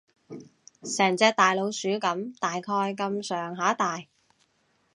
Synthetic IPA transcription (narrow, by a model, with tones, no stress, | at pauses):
sɛː˨˩ŋt͡sɛː˧k̚t̪aː˨˩jlo˨˧wsyː˨˥kɐ˨˥mt̪aː˨jkʰɔː˧jkɐ˧msœː˨˩ŋɦaː˨˥t̪aː˨j